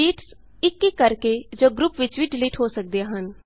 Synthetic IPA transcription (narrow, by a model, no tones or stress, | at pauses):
iːʈs | ɪkːikəɾked͡ʒoːɡɾupʋɪt͡ʃʋiɖɪliːʈɦoːsək̚d̪eaːɦən